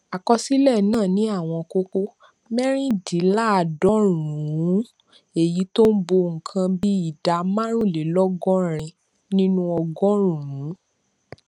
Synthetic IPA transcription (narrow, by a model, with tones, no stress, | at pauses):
a˨kɔ˧si˦lɛ˦˨nãː˦˨nĩ˨˦a˦˨w̃ɔ̃˧ko˦ko˦ | mɛ̃˦ɾ̃ĩ˦di˨˦la˦˨˧dɔ˨˦ɾũ˨ɾũ˨˦ | e˨ji˨˦to˦n̩˦bo˧ŋ̩˨kʰã˧bi˦i˦˨da˨˧mã˦ɾ̃ũ˦˨le˨˦lɔ˦ɡɔ̃˦ɾ̃ĩ˧ | nĩ˦nũ˦ɔ˧ɡɔ̃˦ɾ̃ũ˨ɾũ˨˦